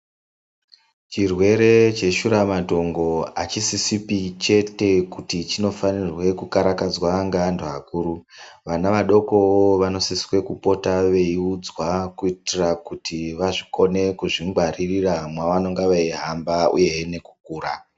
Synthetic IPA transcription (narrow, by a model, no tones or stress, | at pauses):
t͡ʃirwe̞ɾe̞t͡ʃe̞ʃuɾamato̞ŋɡo̞at͡ʃisisipit͡ʃe̞te̞kutit͡ʃino̞fanirwe̞kukaɾakad͡zwaŋɡandoɦakuːɾuʋanaʋaɗo̞ko̞woʋano̞siswe̞kupo̞taʋe̞iud͡zwakuitirakutʰiʋaʐiko̞ne̞kuʐiŋɡwaririramwaʋano̞ŋɡaʋaiɦambaṵje̞ne̞ku̥k̚uːɾa